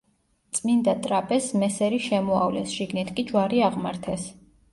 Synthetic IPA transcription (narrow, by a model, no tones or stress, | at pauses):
t̪sʼmind̪at̪ʼɾapʼɛsmɛsɛɾiʃɛmɔavlɛsʒ̥iɡnɛt̪ʰkʼid͡ʒwaɾiaʁmaɾt̪ʰɛs